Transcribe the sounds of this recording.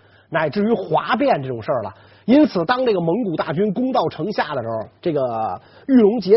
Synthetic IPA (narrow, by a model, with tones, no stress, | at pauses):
na˨˩ɪʈ͡ʂɻ̩˥˩y˧˥xwa˧˥p̬jɛ˥˧nʈ͡ʂɤ˥˩ʈ͡ʂʊ˨˩ŋʂə˞˥˩lə̰˩ | i˥nt͡sʰɹ̩˨˩t̪ɑ˥ŋʈ͡ʂɤ˥˩ɡə˩mɤ˧˥ŋku˨˩t̪a̰˥˩t͡ɕy˥nkʊ˥ŋt̪ɑ˥˩ʊʈ͡ʂʰɤ˧˥ŋɕja˥˩d̪ə˩ʂɻ̩˧˥xɔ˧ʈ͡ʂɤ˥˩ɡə˩ | y˥˩lʊ˧˥ŋt͡ɕjɛ˧˥